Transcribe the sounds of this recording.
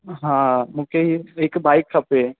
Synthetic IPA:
ɦãmukeɦiekbajkʰːəpe

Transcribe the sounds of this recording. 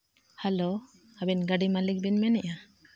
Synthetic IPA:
halo | abɛnɡaɖimalik̚binmɛnɛʔa

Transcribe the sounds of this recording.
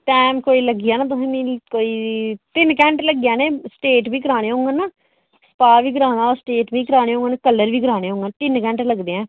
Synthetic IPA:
ʈɛːmkoːiːləɡɪjaːnaːt̪̬ʊsẽːmĩːkoːiːt̪ɪnkɛ̃ːɳʈləɡɪjãːneːsʈeːʈbʱiːkəɾaːɽeːɦõːŋɡaːnaː | sə̥paːʋiːɡəɾaːnaːɾsʈeːʈbʱiːkəɾaːneːɦõːŋɡaːnekəlːəɾʋiːɡəɾaːñeːɦõːŋɡaːʈ̪ɪnkɛ̃ːɳʈləɡd̪eːɛ̃ː

